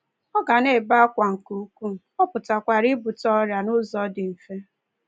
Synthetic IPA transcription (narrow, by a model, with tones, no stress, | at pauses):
ɔ˦ɡa˨ne˦˨ba˦a˦kʷa˨ŋ̩˨ku˨˦kʷu˦˨ɔ˦pʊ˨ta˨kʷa˨ɾɪ˦bʊ˨tɔ˦ɾja˨nʊ˦zɔ˦dɪ˨m̩˨fe˦